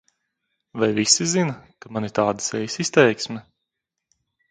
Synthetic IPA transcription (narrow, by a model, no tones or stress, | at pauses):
vajvisizinɐkamanit̪aːd̪ḁsɛjsist̪ɛjksmʲɛ